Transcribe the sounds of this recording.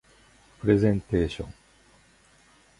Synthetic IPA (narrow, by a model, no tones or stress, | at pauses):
pɾezẽnt̪eʃõ̰ŋ